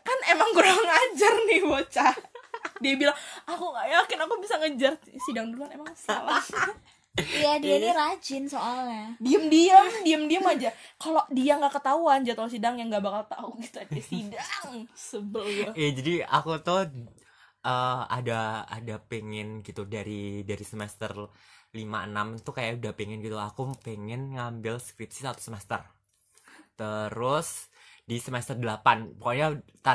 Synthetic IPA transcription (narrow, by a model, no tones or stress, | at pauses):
kanemaŋkuɾaŋad͡ʒarnɪhbot͡ʃa | diabilaŋakuajakɪnakubisaŋəd͡ʒarsidaŋduɾuanemaŋsa̰lah | jadianiɾad͡ʒɪnsoalɲadiəmdiamdiəmdiamad͡ʒakalodiaŋɡakət̪auand͡ʒat̪aus̬idaŋjaŋɡabakalt̪auɡit̪uaɛsidaŋsəbəljaad͡ʒadia̰kut̪ʊh | ʔəa̰daa̰dapeŋɪnɡit̪udaɾidaɾisəmɛst̪ər | limaənamt̪ukajaudahpɛŋɪnɡit̪uakupeŋɛnŋambɪlskɾip̚sisat̪osəmɛst̪ər | t̪əɾʊsdisəmɛst̪ərdəlapanpɔkaɲat̪a